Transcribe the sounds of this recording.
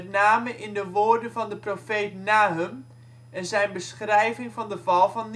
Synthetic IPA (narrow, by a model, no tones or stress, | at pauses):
tnaːməʔɪndəʋoːrdənvɑndəprofeːtnaːɦəm | ɛnzɛjnbəsχrɛjvɪŋvɑndəvɑlˠvɑn